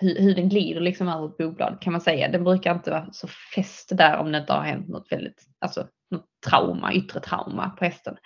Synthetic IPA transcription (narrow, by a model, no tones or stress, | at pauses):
hɵhɵɖɛnɡliːd̪əɭɪksɔmœːvəɾt̪̚buːk̚blɑ̰ːd̪ət̪kʰanmansɛjːa̰d̪ɛnbɾʉ̟ːkaɾɪnt̪əvɑːsɔfɛst̪d̪æɾɔ̰md̪ɛnɪnt̪əha̰ɾhɛ̰nt̪nɔ̰t̪ːvɛ̰ld̪ɪt̪ | ʔalsɔ | nɔt̪ʰːɾawma̰ʔʏt̪ːɾət̪ʰɾa̰wma̰pʰɔhɛst̪ən